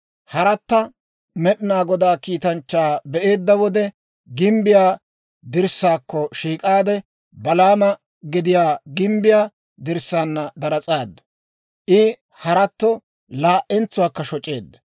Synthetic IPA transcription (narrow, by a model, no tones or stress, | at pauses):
hɐɾɐt̪ːɐ | mɛɗɪnaːɡɔd̪aːkiːt̪ɐnt͡ʃːaːbɛʔe̞ːd̪ːɐwɔd̪ɛ | ɡɪmbɪjaː | d̪ɪɾsːaːkːɔʃiːkʼaːd̪ɛ | bɐlaːmɐ | ɡɪd̪ɪjaːɡɪmbɪjaː | d̪ɪɾsːaːnːɐd̪ɐɾɐt͡sʼaːd̪ːɐ̥ | ʔɪ | hɐɾɐt̪ːɔ | laːʔɛnt͡sːʊwaːkːɐʃɔt͡ʃʼːe̞ːd̪ːɐ̥